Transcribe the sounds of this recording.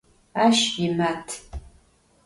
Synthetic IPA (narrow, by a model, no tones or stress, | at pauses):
aːʃjɪmatʰ